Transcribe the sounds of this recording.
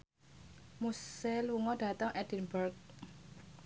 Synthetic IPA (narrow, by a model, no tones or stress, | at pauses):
musɛluŋɔd̥ä̤t̪əŋʔɛd̥inbərk̚